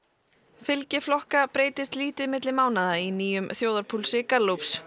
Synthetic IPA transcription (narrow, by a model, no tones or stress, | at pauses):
fɪlcɪflɔhkapɾeːjt̪ɪst̪liːt̪ɪðmɪt̪lɪmaːwnaðainiːjʏmθjoːwðaɾpʰulsɪkalowps